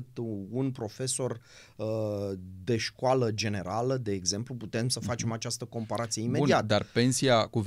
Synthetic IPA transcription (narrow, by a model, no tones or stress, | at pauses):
t̪unpɾo̞fe̞so̞r | d̪e̞ʃkwaləd͡ʒe̞ne̞ɾaləd̪e̞ːɡze̞mpluput̪e̞msəfat͡ʃe̞mat͡ʃast̪əko̞mpaɾat̪sije̞imeuniat̪əd̪arppe̞nsiakuv